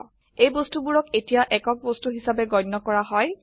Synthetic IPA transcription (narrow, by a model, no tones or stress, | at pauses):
ejbɔstubuɹɔketijaʔɛkɔk̚bɔstuɦisabɛɡɔjnːɔkɔɹaɦɔj